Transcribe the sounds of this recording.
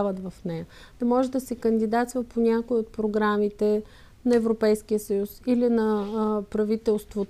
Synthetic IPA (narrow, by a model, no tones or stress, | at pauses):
vət̪vɐfnɛjə | d̪̥ɐmɔʒɛd̪ɐsɛkənd̪id̪at̪svəpʰonʲakoiot̪̚pɾoɡɾamit̪ɛ | nɐɛvɾopɛjsk̟ijəsəjusilinɐpɾɐvit̪ɛlˠst̪vot̪